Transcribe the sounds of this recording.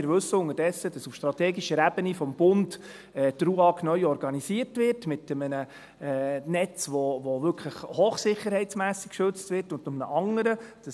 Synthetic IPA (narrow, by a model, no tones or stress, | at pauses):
ɪɾʋɵsːəʊŋəd̥ɛsːədɑsufʃtɾɑtɛːɡiʃəɾæb̥ənifɔmb̥ʊnt | ɛdɾuɑknœʏɔɾɡɑnisiərtvɪrtmɪtəmənə | ɛːnɛt͡sʋɔʋoʋʏɾkχləχhoːχsɪχəɾhɛɪsmæːsi̥kkʃɵt͡stʋɪrtʊntʊmnə̰ʔɑŋəɾəd̥ɑ